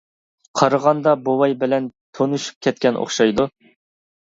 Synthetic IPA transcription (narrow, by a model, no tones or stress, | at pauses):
qʰɑɾəʁɑnd̪ɑbowɑjbɪlɛnt̪ʰonuʃu̥p̚kʲʰɛt̪̚kʲɛnʔo̰χʃɑjd̪u